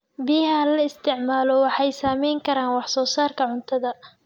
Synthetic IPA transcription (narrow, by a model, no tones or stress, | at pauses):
bɪjɐɦɐlɐɪst̪ʰɪʕmaːlɔwɑħɑjsaːmɛjŋkʰɐɾaːnwɑħsɔːsaːrkʰɐʕʊnt̪ʰɐðɐ